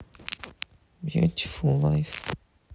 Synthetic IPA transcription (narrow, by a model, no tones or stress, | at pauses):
bjʉ̰tɪ̥flˠlaɪf